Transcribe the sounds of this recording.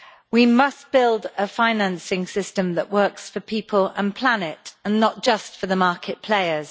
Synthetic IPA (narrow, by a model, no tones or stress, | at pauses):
wimʌsb̥ɪlˠdəfãɪ̃nãnsɪ̃ŋsɪstə̃mðəʔwɜˑksfəpʰiˑpʰələ̰̃npʰl̥anɪtə̃nːəʔ̚d̥ʒ̥ʌstfəðəmɑˑkʰɪʔpʰl̥eɪəz̥